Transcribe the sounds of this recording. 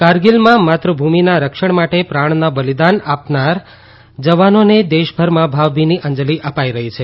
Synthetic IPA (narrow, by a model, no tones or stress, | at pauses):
kaɾɡilmãmat̪ɾəbʱuminaɾəkʃəɳ̃maʈepɾaɳ̃nabəlid̪anapnaɾ | d͡ʒəʋanoned̪eʃbʱəɾmãbʱaʋbʱiniʔə̃ɲd͡ʒəliʔəpaiɾəɦit͡ʃʰe